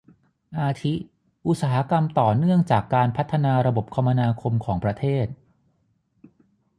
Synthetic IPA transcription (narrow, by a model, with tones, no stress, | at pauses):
ʔaː˧t̪ʰi˦˥ | ʔu˦t̪̚saː˩˦ɦa˦˥ka˧mt̪ɔː˨˩nɯ˥˩əŋt͡ɕaː˨˩kːaː˧npʰa˦˥t̪ʰːa˧naː˧ɾa˧bo˨˩p̚kʰa˧mːa˧naː˧kʰo˧mkʰɔː˩˦ŋpɾa˧t̪ʰeː˥˩t̪̚